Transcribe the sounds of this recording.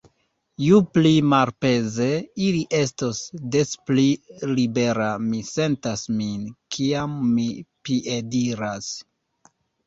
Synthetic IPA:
juplimaɾpe̞ze̞iliʔe̞stosde̞splilibe̞ɾamise̞ntasminkʰiamːipiʔediɾas

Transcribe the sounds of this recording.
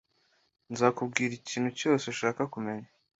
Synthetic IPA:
nzaːkub̚ɡiːɾiciːnhuco̞ːse̞ʃaːkakume̞ɲa

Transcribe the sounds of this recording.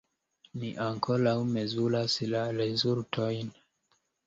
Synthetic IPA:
niʔaŋkʰo̞lawmezulaslaɾezultʰojn

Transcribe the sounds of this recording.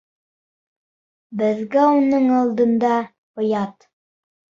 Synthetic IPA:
bɘ̆ðɡæunɤɴɑlˠd̪ɤ̆nd̪ɑ | ŏjɑt̪

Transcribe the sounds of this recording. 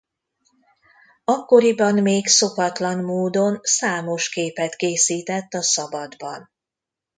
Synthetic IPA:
ɒkːo̞ɾibɒnmeːkso̞kɒt̪lɒnmoːd̪o̞nsaːmo̞ʃkeːpɛt̪keːsiːt̪ɛt̪ːɒsɒbɒd̪bɒn

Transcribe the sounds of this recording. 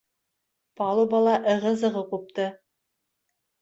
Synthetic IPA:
pɑlˠubɑlˠɑʔɤ̆ʁɤ̆zɤ̆ʁɤqup̚t̪ɤ

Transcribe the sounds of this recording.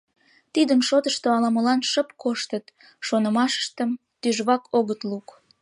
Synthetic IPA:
t̪id̪ənʃot̪əʃt̪oɑlɑməlɑnʃəp̚koʃt̪ət̪ | ʃonəmɑʃə̥ʃt̪əm | t̪yʒβɑkʰoɣət̪luk

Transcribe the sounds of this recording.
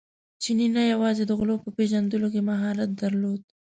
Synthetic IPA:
t͡ʃininajawɑzed̪əɣʊlopəpeʒand̪əlokemaɦɑlat̪̚d̪aɾlod̪̚

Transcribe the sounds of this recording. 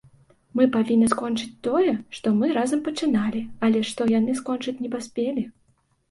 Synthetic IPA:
mɨpavʲinʲːɐskɔnt͡ʂɨt͡sʲt̪ɔjɛʂt̪ɔmɨɾazɐmpɐt͡ʂɨnalʲiɐlʲɛʂt̪ɔjanɨskɔnt͡ʂɨt͡sʲnʲɛpasʲpʲelʲi

